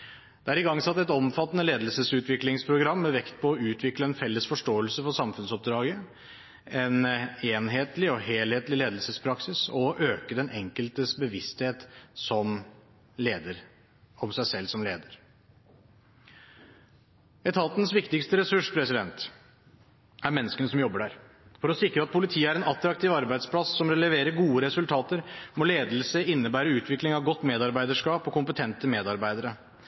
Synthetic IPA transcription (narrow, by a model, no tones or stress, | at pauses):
d̪̥ɛæːɾɪɡɑŋːsɑt̪ːɛt̪ɔmfɑt̪ːənəleːd̪əlsəsʉːt̪ʋɪklɪŋspʰɾʊɡɾɑmːɛʋɛkt̪̚pʰɔːʉːt̪ʰʋɪkləɛnfɛlːəsfɔʂʈoːəlsəfɔsɑmfʉnsɔp̚d̪ɾɑːɡə | ɛneːnɦeːt̪lɪɔheːlheːt̪lɪleːd̪lsəspʰɾɑksɪsɔʔøːkəd̪ɛnʔɛŋkəlt̪əsbəʋɪst̪heːt̪sɔm | leːd̪əɾ | ɔmsæɪsɛlːsɔmleːd̪əɾ | ɛt̪ʰɑlt̪ənəsʋɪkt̪ɪkst̪əɾɛsʉʂpʰɾɛsɪd̪ɛnt̪ | æɾmɛnːəskənəsɔmjɔbːəɖæɾ | fɔɾɔsɪkɾəɑt̪̚pʰʊlɪt̪ʰiːəæɾɛnɑt̪ɾɑk̚t̪ʰɪːʋɑɾbæɪd̪spʰlɑsːɔmɾɛləʋeːɾəɾɡuːəɾɛsʉlt̪ʰɑːt̪əɾmɔleːd̪l̩səɪnːəbæːɾəʉːt̪ʰʋɪklɪŋɑʋɡɔt̪ːmeːd̪ɑɾbæɪd̪əʂkɑːpɔkʊmpət̪ʰɛnt̪əmeːd̪ɑɾbæɪd̪əɾə